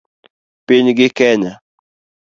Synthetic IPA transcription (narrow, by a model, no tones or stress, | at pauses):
pɪɲɡɪkɛɲa